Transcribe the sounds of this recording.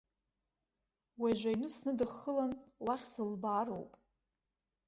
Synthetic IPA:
waʒʷajnɨsnɨdɨχəlanwaχʲsɨlbaːɾo̰wpʼ

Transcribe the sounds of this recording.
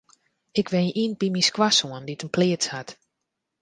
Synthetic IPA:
ɪkʋɛnʔinb̥imiskwasoənditənpʰlɪətshat

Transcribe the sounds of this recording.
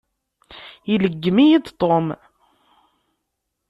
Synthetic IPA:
jiləɡːmijid̪t̪ˤom

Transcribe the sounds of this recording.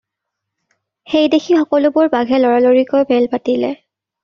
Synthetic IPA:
xejdexʰixɔkɔlʊbʊɹbaɡʱɛlɔɹaloɹikojbʱɛlpatilɛ̰

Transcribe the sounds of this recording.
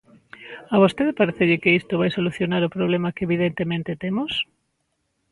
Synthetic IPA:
aβ̞ost̪eðepaɾeθeʎɪkeist̪oβajsoluθjonaɾopɾoβlemakeːβiðent̪emẽnt̪et̪emos

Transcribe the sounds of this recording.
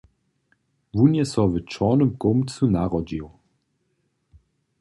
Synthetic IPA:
vunjɛsɔvət͡ʃɔnəmkomt͡sunaʁɔd͡ʒiw

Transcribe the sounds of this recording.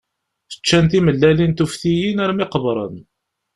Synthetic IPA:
θə̥t͡ʃːænt̪iməlːælint̪ufθijinæɾmɪqəbɾˤə̰n

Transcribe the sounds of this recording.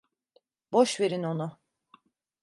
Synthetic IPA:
b̥oʃve̞ɾino̞nʊ

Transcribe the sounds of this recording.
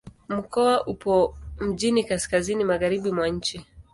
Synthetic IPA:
m̩kɔaʔupɔm̩ʄinikaskazinimaɣaɾiɓimwaɲ̩t͡ʃi

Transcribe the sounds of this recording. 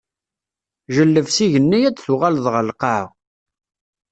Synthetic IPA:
ʒəlːəvsiʝənːijæd̪θuʁalðʁəlqɑʕ

